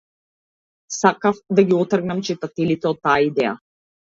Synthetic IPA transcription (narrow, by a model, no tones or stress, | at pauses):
sakafd̪aɡiɔt̪r̩ɡnamt͡ʃit̪at̪ɛlit̪ɛɔt̪ːaːaid̪ɛja̰